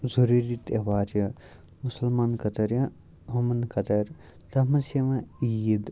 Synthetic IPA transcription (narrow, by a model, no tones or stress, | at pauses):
zuɾiɾit̪ɐʋaːɾɐ | musɐlmaːnkɐt̪ɐɾjɐ | ɦɐmɐnkɐt̪ɐɾ | t̪ɐmɐsjɐmɐid̪